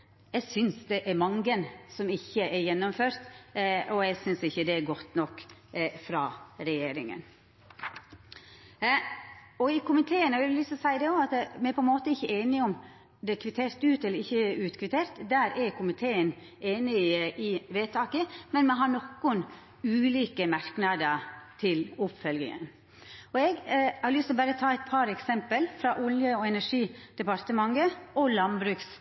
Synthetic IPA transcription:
jæɪɡsʏnsd̪ɛʔæɾmɑŋɡənsɔmɪçːəʔæɾjɛnːɔmføːɾt̪ɔæɪsʏnsɪçːəd̪ɛæɡɔt̪ːnɔkːfɾɑːɾɛjeːɾɪŋə̰n | ɔɪkʰʊmɪt̪ʰeːənəʋɪllɪsɔsæɪd̪ɛɔɑt̪mɛɾpʰɔɛnmoːt̪əɪçːəeːnɪɔm | d̪ɛkʰʋɪt̪ʰeːɾt̪ʉːt̪ɛlːəɾɪçːəʉːt̪kʰʋɪt̪ʰeːɾt̪d̪æːɾɛɾkʰʊmɪt̪ʰeːən | eːnɪʔɪʋeːt̪ʰɑːkəmɛnmɛɦɑɳɔkːʊn | ʉːliːkəmɑɾknɑd̪ət̪ʰɪlʊpfœlɡɪ̰ŋə̰n | ɔɛɡhɑɾlʏst̪ɔbæːɾət̪ʰɑːæɪt̪̚pʰɑɾɛksɛmpəlfɾɑʔʊljəɔɛnæʂiːd̪̥ɛpɑɾt̪əmɑŋːəʔɔlɑnbɾʉːks

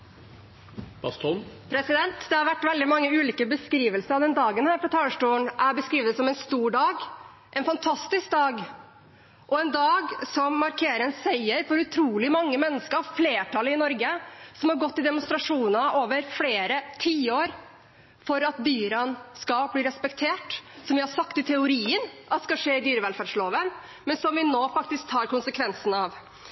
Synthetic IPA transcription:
b̥ɑst̪ʰɔnpʰɾɛsɪd̪ɛnt̪d̪ɛhɑɾʋæʈːʋɛld̪ɪmɑŋːəʉːliːkəbəskɾiːʋəlsəɾɑʋd̪ɛnd̪ɑːɡənhæːɾfɾɑt̪ʰɑːəʂʈuːəɳʔæɾbəskɾiːʋəd̪sɔmɛnst̪uːɖɑːɡ | ʔɛnfɑnt̪ʰɑst̪ɪsk̚d̪ɑːɡ | ʔɔɛnd̪ɑːɡsɔmːɑɾkʰeːɾənsæɪəɾfɔɾʉt̪ʰɾuːlɪmɑŋːəmɛnːəskəɾɑfleːʈʰɑləɪnɔɾɡəsɔmhɑɾɡɔt̪ːɪd̪ɛmʊnst̪ɾɑʂuːnəoːʋəɾfleːɾət̪ʰiːəoːɾ | fɔɾɑt̪̚d̪yːɾɑnskɑlbliːɾɛspɛkt̪ʰeːʈsɔmʋɪhɑsɑkt̪ɪt̪ʰɛʊɾiːənʔɑt̪ːskɑʂeːɪd̪yːɾəʋɛlfæːɖʂloːʋən | mɛnsɔmʋɪnoːfɑk̚t̪ɪsk̚t̪ʰɑːɾkʊnsəkʰʋɛnsn̩ɑʋ

